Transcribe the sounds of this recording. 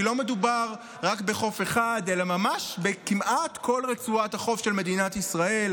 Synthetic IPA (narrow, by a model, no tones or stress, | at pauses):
lo̞me̞dubaʁ | ʁakbe̞χo̞fe̞χade̞lamamaʃbekimʔatkʰo̞lʁet͡suathaχo̞fʃe̞lmed̪inatisʁael